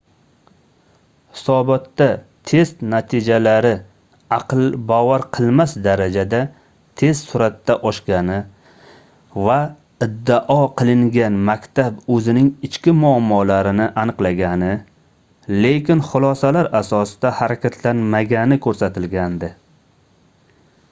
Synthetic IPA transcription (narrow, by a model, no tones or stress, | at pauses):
hɪ̥sɒbɒt̪ːat̪ʰe̞st̪nat̪ʰɪd͡ʒalaɾɪ | ɑqɨlˠbɒvaɾqʰɨlˠmasd̪aɾad͡ʒad̪a | t̪ʰe̞zsʊɾat̪ːaʔɒʃkʲanɪ | va | ɪd̪ːaʔɒqʰɨlˠɪŋɡʲanmakʲt̪ʰabɵzɪnɪŋɪt͡ʃkʲɪmʊamːɒlaɾɪnɪʔanɨqlˠaɡʲanɪ | le̞kʲɪnχʊlˠɒsalaɾasɒsɪd̪ahaɾakʲʰat̪ʰlanmaɡʲanɪkʰɵɾsat̪ʰɪlɡʲand̪ɪ